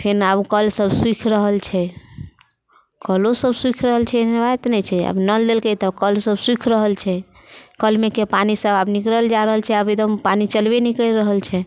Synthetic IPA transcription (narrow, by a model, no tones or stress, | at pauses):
pʰeɾabkəlsəbswikʰɾəɦəlt͡ʃʰɛ | kəlosəbswikʰɾəɦəlt͡ʃʰɛnbaet̪nɛt͡ʃʰɛə̰bnəd̪elkət̪əkəlsəbswikʰɾəɦəlt͡ʃʰɛ | kəlmekepanisəbabnikɾəld͡ʒaɾəɦəlt͡ʃʰɛəbed̪əmpanit͡ʃəlbenikəiɾɾəɦəlt͡ʃʰɛ